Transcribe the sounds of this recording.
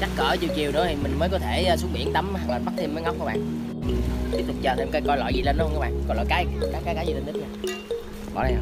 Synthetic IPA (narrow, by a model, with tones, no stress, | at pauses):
t͡ɕa˦˥k̚kəː˧˩t͡ɕi˧˩wt͡ɕi˨˩əwnɨ̰˧˥ət̪ʰi˨˩mï˨˩ŋ̟məː˨˦jkɔ˨˦t̪ʰe˧˩˨su˦˥t̚ɓḭ˧˩ənt̪ə˨˦m˧˨˩ɔː˨˩ɓa˦˥t̚t̪ʰe˧məː˨˦ŋa˦˥wk͡pkːuː˨˦ɓa̰ː˧˨n | ʔɨ˨˩t̪i˦˥p̚t̪ʊ˨˩k͡p̚t͡ɕəː˨˩t̪ʰe˧mkə˧jkɔ˧jlɔ̰˧˨jzi˨˩lə˧nɗɔ˨˦hkaː˨˦ɓa̰ː˧˨nkɔ˨˧˩lɔ̰˧˨jkaː˨˦jkaː˨˦jkaː˦kaː˨˦jzi˨lə˧nt̪k̚ɲaː˧˩ | ɓɔ̰˧˩˦la˨˩˧